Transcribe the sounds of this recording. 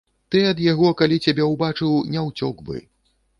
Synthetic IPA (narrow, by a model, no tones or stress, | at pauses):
t̪ɨɐd̪jaɣɔkalʲit͡sʲabʲɛwbat͡ʂɨwnʲɛwt͡sʲɔɡbɨ̰